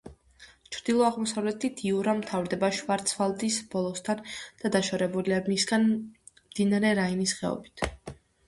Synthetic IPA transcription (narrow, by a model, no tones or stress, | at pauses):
t͡ʃʰɾd̪̥ilˠɔaʁmɔsavlɛt̪ʰit̪ʰiuɾamt̪ʰavɾd̪ɛbaʃvaɾt̪sʰfalˠt̪ʼisb̥ɔlˠɔst̪ʰand̪̥ad̪aʃaɾɛbuliamisɡan | md̪̥inaɾɛɾainisχɛ̰ɔ̰bit̪ʰ